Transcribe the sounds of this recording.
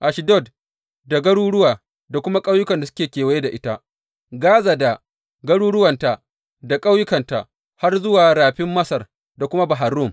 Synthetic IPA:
ʔa˨ʃi˨dɔ˦˨d | da˨ɡɐ˦ɽuː˦ɽʊ˦waː˨ | da˨kʷʊ˦ma˦kʼa˦wjʊ˦kɐ˨nda˨sʊ̥˦kʲeː˨kʲeː˨wɐ˦je˦da˨ʔɪ˦ta˦ | ɡaː˦za˨da˨ | ɡɐ˦ɽuː˦ɽʊ˦wɐ˨nta˨ | da˨kʼa˦wjʊ˦kɐ˨nta˨ʔ | ha˦rzʊ˦waː˨ɾaː˨ɸɪ˦mːɐ˦sɐ˨r | da˨kʷʊ˦ma˦ba˨ɦa˨ɾʊ˦˨m

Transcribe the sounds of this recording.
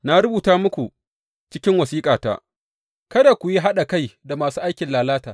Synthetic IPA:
na˦ɾʊ˦buː˨taː˦mʊ˦kʷu˨ | t͡ʃɪ˦kʲɪ˦ŋwɐ˨siː˦kʼaː˨ta̰ː˦ | kɐ˦da˨kʷu˨ji˦ɦa˦ɗa˨ka˦jda˨maː˨suː˦ʔa˦jkʲɪ˨nlaː˨laː˦taː˨

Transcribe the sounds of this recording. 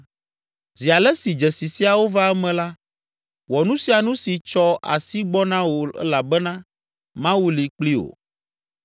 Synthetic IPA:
zi˨a˨lɛ˦si˨d͡ʒɛ˨si˨si˦a˨wo˦va˦ɛ˦mɛ̃˨la˦ | wɔ˨nũ˦si˦a˨nũ˦si˨t͡ʃɔ˦a̰˨si˦ɡ͡bɔ˦nã˦wo˨ɛ̰˦la˨bɛ˦nã˦ | mã˦wu˦li˨k͡pli˦o̰˨

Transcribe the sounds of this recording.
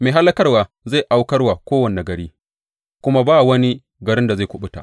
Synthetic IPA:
meː˨ɦa˦lːɐ˦kɐ˦rwaː˨ | za˦˨ʔa˦wkɐ˦rwa˨kʷoː˦wɐ˨nː˨na˨ɡɐ˨ɽiː˦ | kʷʊ˦ma˦baː˦˨wɐ˦ni˦ | ɡɐ˨ɾɪ˦nda˨za˦˨kʷʊ˦ɓʊ˦ta̰˨

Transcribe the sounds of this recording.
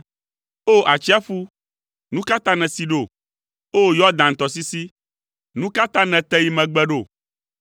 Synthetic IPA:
o˦ʔa˨t͡ʃi˦a˦fu˦ | nũ˦ka˦t̪ã˦nɛ̃˨si˦ɖo˦˨ | o˦jɔ˦d̪ã˨ŋ̩˨t̪ɔ˨si˦si˦ | nũ˦ka˦t̪ã˦nɛ̃˨t̪ɛ˦ji˦mɛ̃˨ɡ͡bɛ˦ɖo˨

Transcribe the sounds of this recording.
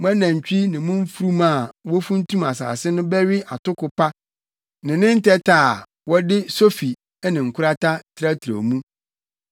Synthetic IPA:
mʊ̃˦æ˦nã˨ɲ˨t͡ɕᶣi˦nɪ̃˨mʊ̃˦m̩˦fu˦ɾu˦mã˦˨wɔ˦fũ˦n̩˦tʰũ˦ma˨sa̰ː˨sɪ˦nʊ̃˦bɛ˦ɥɪ˦ʔa˨tʊ˦kʊ˨pa˦ | nɪ̃˨nɪ̃˦n̩˦tɛ˦tʰaː˦˨ | wɔ˦dɪ˦so˦fi˨ | ɛ˦nɪ̃˨ŋ̩˨kʰʷʊ˦ɾa˦ta˦tʰɪ˦ɾa˦tʰɾa̰˨mũ˦

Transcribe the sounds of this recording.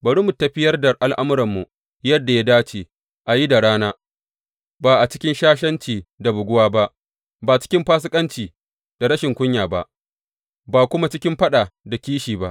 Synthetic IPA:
bɐ˨ɽʊ˦mʊ˨tːɐ˨ɸɪ˦jɐ˦rda˨ʔa˨lʔa˦mʊ˦ɾɐ˨mːu˨ | jɐ˦dːa˨ja˦daː˦t͡ʃeː˨ | ʔa˨ji˦da˨ɽaː˦naː˦ | baː˨ʔa˨t͡ʃɪ˦kʲɪ˦nʃaː˦ʃ̬ɐ˦nt͡ʃiː˨da˨bʊ˨ɡʷʊ˦waː˦ba˦ʔ | baː˨t͡ʃɪ̥˦kʲɪ˦mɸaː˦s̬ɪ˦kʼɐ˦nt͡ʃiː˨ | d̥a˨ɽɐ˦ʃɪ˨ŋkʷʊ˦ɲjaː˨ba̰˦ʔ | baː˨kʷʊ˦ma˦t͡ʃɪ˦kʲɪ˦mɸɐ˦ɗaː˨da˨kʲiː˦ʃiː˨ba˦ʔ

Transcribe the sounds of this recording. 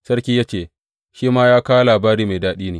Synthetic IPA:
sɐ˦ɽkʲiː˦jaː˦t͡ʃeː˨ | ʃiː˦maː˦jaː˦kaː˦wlaː˨baː˦ɾiː˦ma˨daː˦ɗiː˦neː˨

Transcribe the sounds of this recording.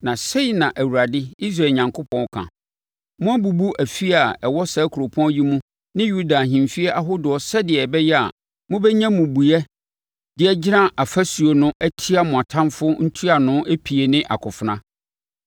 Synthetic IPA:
nã˨se˦i˨nã˨ʔæ˨wu˨ɾa˨dɪ˦i˦s̬ɾa˨ɲã˨ŋkʰʊ˦pʰɔ̃˦n˦kʰã̰˨ | mʊ̃˦a˦bu˨bu˦ʔæ˨fi˦a˨ɛ˨wɔ˦sɛ˦kʰu˨ɾo˨pʰɔ̃˦ji˦mũ˦ | nɪ̃˦ju˦da˨ɦĩ˨m˨fi˦ɛ˦ʔa˦ɦʊ˦dʊ˨ɔ˦sɛ˦dɪ˨ɛ˨bɛ˦jɛ˦a̰˨ | mʊ̃˦bɛ˦ɲã˦mʊ̃˨bu˨ɛ˦ | d̥ɪ˨ɛ˨d͡ʑɪ˦nã˦ʔa˨fæ˦su˨o˨nʊ̃˦ʔæ˦tʰi˦a˨mʊ̃˨a˨tʰã˦mfʊ˦n̩˦tʰu˦a˨nʊ̃˦ʔæ˦pʰi˨e˨nɪ̃˦ʔa̰˨kʰʊ˨fʊ˨nã˦

